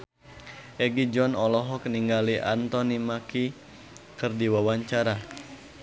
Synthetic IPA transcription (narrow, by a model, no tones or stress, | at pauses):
ʔɛɡid͡ʒɔnɔlɔɦɔk̚niŋɡaliʔa̰nt̪ɔnimaki | kɨrdiwawaɲt͡ʃaɾa